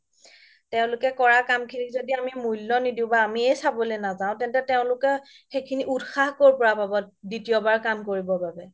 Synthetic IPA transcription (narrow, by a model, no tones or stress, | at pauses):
tɛʊ̃lʊkɛkɔɹakamkʰinizodiamimujlːɔnidĩʊ̃baːmiejsabɔlenazaʊ̃tɛntɛteʊ̃lʊkɛ | xekʰiniʔudxahkoɹpɔɹababɔt̚ditijɔbaɹkamkoɹibɔbabɛ